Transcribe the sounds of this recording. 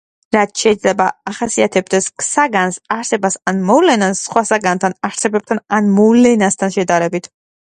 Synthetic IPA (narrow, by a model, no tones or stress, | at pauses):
ɾat̪ʰʃɛid̪zlɛbaaχasiat̪ʰɛb̚d̪ɛskʰsaɡansaɾsɛbasanmɔvlɛnasːχwasaɡant̪ʰanaɾsɛbɛp̚t̪ʰananmɔvlɛnast̪ʰanʃɛd̪aɾɛbit̪ʰ